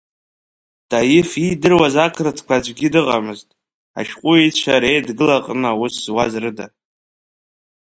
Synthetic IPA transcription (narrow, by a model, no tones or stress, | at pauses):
d̥ajɪfidɨrwazakʰrɨdʰkʷʰad͡ʒʷʼɡʲɪdɨʁa̰mɨztʼ | a̰ʃᶣqʷʼʊejt͡ʃʷʰaɾejdɡɨlaqʼnawʊswazrɨda